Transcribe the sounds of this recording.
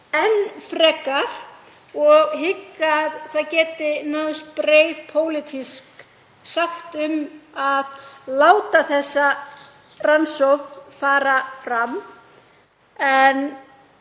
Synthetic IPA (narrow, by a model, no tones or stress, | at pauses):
ɛnːfɾɛːkːaɾ̥ | ɔɣɦɪkːaɾ̥θaðcɛːt̪ɪnaːðʏst̪pɾeːjðpʰoːwlɪt̪ʰisk | saxt̪ʏmaðlaːwt̪aθɛsːa | ransowknfaːɾafɾam | ɛn